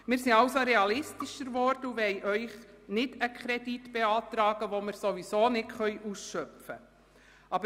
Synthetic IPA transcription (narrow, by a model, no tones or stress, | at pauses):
mɪːɾsiɑwsoɾeɑlɪstiʃəɾʋɔrd̥əuʋɛjʔœʏχnɪdəkʰχɾɛditb̥eɑːtɾɑːɡ̥əʋomɪɾsoʋisoːnɪtχœʏʔusʃœpfə | ɑbə